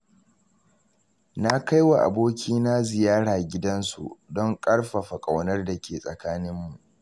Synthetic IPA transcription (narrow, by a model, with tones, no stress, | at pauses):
na˦ka˦jwa˨ʔa̰˨boː˦kʲʰiː˦na˦zɪ˨jaː˦ɽaː˨ɡʲɪ˦dɐ˦nsṵ˨ʔdɔ˦ŋkʼɐ˦ɽɸa˨ɸa˨kʼa˨wnɐ˦rda˨kʲeː˨sʼɐ̰˨kaː˦nɪ˦mːu˨ʔ